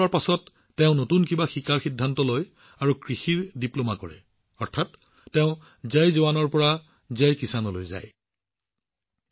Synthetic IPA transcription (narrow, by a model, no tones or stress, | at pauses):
aɹpasɔtː | eʊ̃notunkibaxikaɹxidʱːantɔloj | aɹukɹixiɹdiplomakɔɹɛ̰ | ɔɹtʰatː | eʊ̃ | zejzɔbanɔɹpɔɹa | zɛjkisanɔlojza̰j